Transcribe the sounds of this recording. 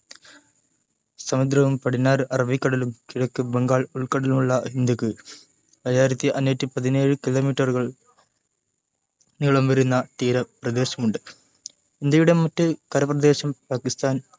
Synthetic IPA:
sɐmud̪ɾɐʋumpɐɽinːaːɾʔɐrɐʋikːɐɽɐlumkiɻɐkːɨbeŋɡaːɭuɭkɐɽɐlumuɭːɐhind̪ukːɨ | ɐjaːjiɾɐt̪ːiʔɐnːutːipɐðine̞ːɻɨkilo̞ːmiːʈːɐruɣɐɭ | niɭɐmʋɐɾunːɐt̪iːɾɐprɐd̪e̞ːɕɐmuɳɖɨ | hind̪ujuɽe̞mɐtːɨkɐɾɐprɐd̪e̞ːɕɐmpaːkist̪ʰaːn

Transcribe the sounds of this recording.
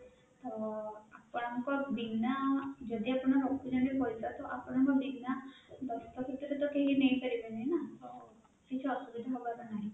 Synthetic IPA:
t̪ɔapɔɽaŋkɔbinad͡ʒɔd̪iapɔnaɾokbinaɽipɔjsat̪ɔʔapɔɽ̃ɔŋkɔbiɡnad̪ɔst̪ɔkʰet̪ɾɛt̪ɔkeɦinejpaɾibad͡ʒaɦjnat̪ɔ | kit͡ʃʰuɔsubid̪ʱaɦɔbakanaj

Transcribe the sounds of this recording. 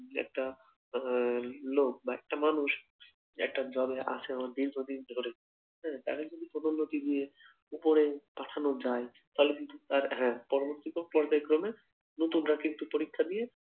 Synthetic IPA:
ɛ̰k̚ʈa | lok̚baɛk̚ʈamanuʃ | ɛ̰k̚ʈad͡ʑɔbeʔa̰t͡ɕʰeamaɾd̪ind͡ʒod̪id̪ʱoɾe | ɦɛ̃t̪a̰ked͡ʑod̪ipɾod̪onːot̪inije | upoɾepaʈʰanod͡ʑaj | t̪aɦolekint̪ut̪aɾɦɛ̃pɔɾoboɾt̪ikopɔɾb̪akɾɔme | not̪unɾakint̪upoɾikʰːad̪ije

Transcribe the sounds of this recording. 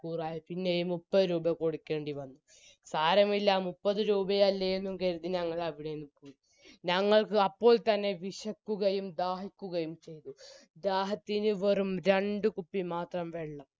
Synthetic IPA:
kuːraːjipinːejumupːɐðɨɾuːbɐko̞ɽukʲːe̞ːɳɖiʋɐnːu | saːɾɐmilːamupːɐðɨɾuːbɐjɐlːɐjenːumkeɾut̪ːiɲɐŋːɐɭɐʋiɽenupːoːji | ɲɐŋːɐɭkɨɐpːo̞ːɭt̪ɐnːe̞ʋiʂɐkːuɣɐjumd̪aːhikʲːuɣɐjumt͡ɕe̞jt̪ud̪aːɦɐt̪ːinɨʋerumɾe̞ɳɖɨkupːimaːt̪rɐmʋeɭːɐm

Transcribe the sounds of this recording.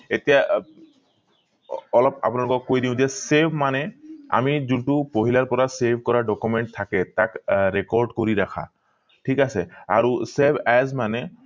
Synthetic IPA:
etija | ɔlɔpa̰pʊnalʊkɔkːojdiʊ̃zɛsebʱmanɛa̰mizuntupoɦilaɹpɔɹasebʱkɔɹaɖɔkumɛɳʈ̚t̪ʰːakɛtakɹɛkɔɹɖkoɹiɾakʰa̰ | ʈʰikasɛaɹusebʱɛzmanɛ

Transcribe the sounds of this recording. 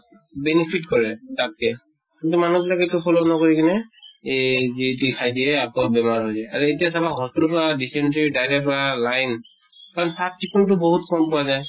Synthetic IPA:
bɛnipʰitkɔɹɛtat̚kɛ | kintumanubilakɛtʊpʰɔlonɔkɔɹikʰinɛ | zitikʰajdijɛakɔbɛmaɹɦojzajaɹuetijasabaɦɔsuɹpʰɔɹadisɛntɹidajɹɛk̚ʰɔɹalajn | kaɹɔnsap̚tikʰɔntʊbɔɦutkɔmpʊwazaj

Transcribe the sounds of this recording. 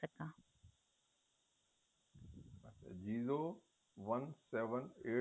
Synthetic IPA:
ɐka | ɐt͡ʃʰa̰d͡ʒiːzoː | ʋɐnsɛːʋə̃neː

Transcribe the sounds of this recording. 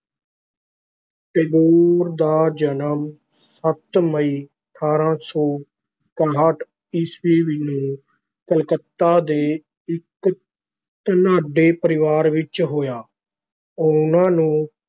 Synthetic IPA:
ʈeːd̪oːɾd̪aːd͡ʒənəm | sət̪məiːəʈʰaːɾãːsɔː | kaɦaːʈ | ɪsʋiːʋɪnũː | kəlkət̪ːaːd̪eː | ɪk | t̪ənaːɖeːpəɾɪʋaːɾʋɪt͡ʃɦoːjaː | oːʊnãːnũː

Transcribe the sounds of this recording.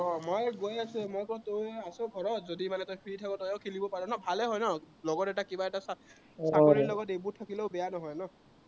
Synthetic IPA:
ɔmojɡojasʊ̃mojkɔɹɔtojasɔɡʱɔɹɔtzodimanɛtɔjpʰɹitʰakɔtɔjɔwkʰilibɔpaɹɛ̃nɔbʱalɛɦɔjnɔ | lɔɡɔtɛtakibaɛtasa | sakɔɹinlɔɡɔtejbuɹtʰːakileʊbɛjanɔɦɔjnɔ

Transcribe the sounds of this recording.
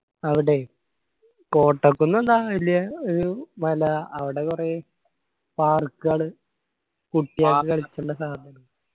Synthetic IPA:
ɐʋiɽe̞ | ko̞ːʈːɐkːunːɐðaːilːijɐoɾumɐlɐːʋiɽe̞kure̞ | paːrkːɨɣɐɭɨ | kuʈːijaːkːɨkɐɭit͡ɕːɐɳɖɐsaːd̪ʱɐnɐm

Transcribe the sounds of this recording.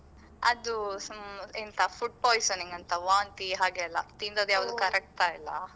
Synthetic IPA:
ɐ̰d̪u | ent̪ɐfuʈ̚poːjsoːniŋɡɐnt̪ɐʋaːnt̪iɦaːɡeɐlːɐ̰t̪ind̪oːd̪ujaːʋd̪ukɐɾek̚ʈt̪ailːɐ̰

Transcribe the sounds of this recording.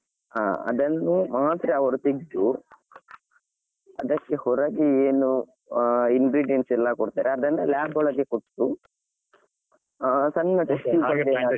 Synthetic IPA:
aːɐ̰d̪ɐnːumaːt̪ɾɐɐʋɐɾut̪iɡd̪u | ɐ̰d̪ɐkːehɔɾɐɡeeːnu | inɡɾiːɖijensɛlːɐkoɽt̪aːɾeɐd̪ɾind̪ɐlaːbɔɭɐɡekoʈːu | sɐnːɐʈɐsiːɐɡe

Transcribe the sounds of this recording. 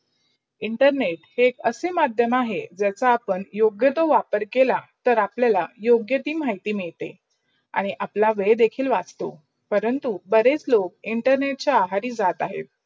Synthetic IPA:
iɳʈəɾneʈheːkəsemad̪ʱjəmaɦed͡ʑjat͡saːpəɳjoɡjət̪oʋapəɾkelat̪əɾapljalajoɡjət̪iːm̤aɦit̪iːmiɭt̪ḛ | a̰ɽ̃iʔaplaʋed̪ekʰiːlʋad͡zt̪o̰ | pəɾənt̪ubəɾet͡slok̚iɳʈəɾneʈ̚t͡ɕaaɦaɾiːd͡zat̪aɦḛt̪̚

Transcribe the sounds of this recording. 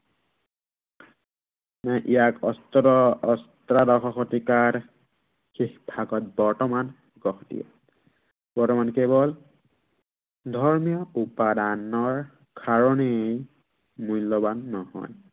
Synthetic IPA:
majʔijakɔstɔɔɔstɹadɔxɔxɔtikaɹ | xixbʱaɡɔt̚bɔɹtɔman | ɡɔxtḭɛ̰ | b̥ɔɹtɔmankebɔl | dʱɔɹmijɔupadanɔɹ | kʰaɹɔnej | mulːɔbanːɔhɔ̰j

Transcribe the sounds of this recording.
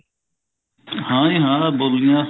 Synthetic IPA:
hãːĩɦãːbolijãː

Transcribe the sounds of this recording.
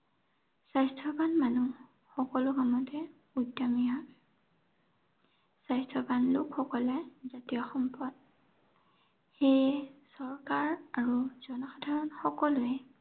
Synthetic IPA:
sajstʰɔbanmanu | xɔkɔlʊɡamɔtɛ | udamija | sajstʰɔbanlʊkxɔkɔlɛzatijaxɔmpɔd̚ | xejsɔɹkaɹaɹuzɔnɔxadʱaɹɔnxɔkɔlʊɛ

